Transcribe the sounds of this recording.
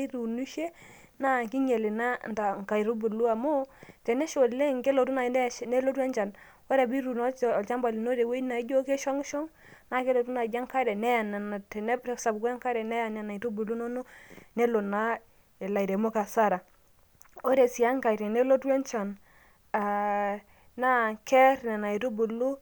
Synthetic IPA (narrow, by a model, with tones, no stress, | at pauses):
i˦ɾu˨nu˦ʃe˦ | na˦˨ki˦ɲɛ˨lɪ˨na˦nta˨ŋ˨ka˨i˨ɾu˦bu˨lu˦a˨mo˦tɛ˨nɛ˦ʃo˨lɛ˦ŋɡe˦lo˨tu˦na˨˦˨ne˦lo˦twɛ˦nt͡ʃa˨n | wɛ˦ɾɛ˨bi˦ɾu˨nɔ˦t͡ʃɔ˨lt͡ʃa˦mba˨li˨no˦ɾe˨we˦na˨ɪ˦d͡ʒo˦ke˦ʃɔ˦ŋ˦ʃɔ˦ŋ | na˦ke˦lo˨tu˦na˨d͡ʒa˦ŋka˦ɾɛ˨nɛ˦ja˨nɛ˨na˨tɛ˨nɛ˦bɾsa˨bka˦ŋka˦ɾɛ˨nɛ˦ja˨nɛ˨na˨i˨ɾu˦bu˨lu˦no˦nu˦ne˦lo˨na˦ | e˨la˨i˨ɾe˨mo˦ka˨sa˦ɾa˨ | o˦ɾe˨si˨a˦ŋka˨ɾɛ˨ne˦lo˦twɛ˦nt͡ʃa˨n | a˨ | na˦˨kɛ˦ɾnɛ˨na˨i˨ɾu˦bu˨lu˦